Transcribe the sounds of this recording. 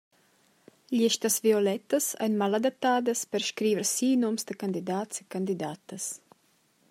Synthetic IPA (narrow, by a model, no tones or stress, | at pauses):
ʎiʃt̪ɐzviolɛt̪ɐsɛ̰nmalad̪ap̚t̪aːd̪ɐspəɾʃkɾiːvəɾsinomsd̪əkand̪id̪at̪sekand̪id̪aːt̪əs